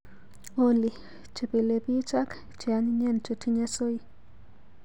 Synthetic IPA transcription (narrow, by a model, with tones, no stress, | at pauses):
o˦li˨ | t͡ʃe˨pe˨le˨pi˦t͡ʃa˦k | t͡ʃi˨a˦ɲɲe˦˨nt͡ʃo˨tʰi˦ɲa˦so˦i˦